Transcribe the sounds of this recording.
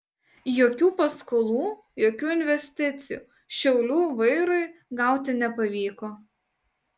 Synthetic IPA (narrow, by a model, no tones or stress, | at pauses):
joːkʲuːpɐskolˠuː | joːkʲuːɪnʲʋʲɛsʲt̪ʲɪt̪sʲɪjṵː | ʃʲɛʊlʲuːʋɐɪɾʊɪɡɐˑʊt̪ʲɪnʲɛpɐʋʲiːkoː